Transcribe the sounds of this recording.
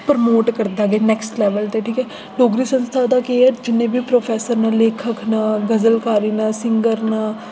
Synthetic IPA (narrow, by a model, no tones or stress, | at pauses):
pəɾmoːʈkəɾd̪aːɡeːnɛːksʈlɛːʋəlt̪eːʈʰiːkɛː | ɖoːɡɾiːsənst̪ʰaːd̪aːkeːəd͡ʒɪnːẽːbiːpɾoːpʰɛːsəɾnaːleːkʰəkʰnaːɡəzəlkaːɾiːnaːsɪŋɡəɾnaː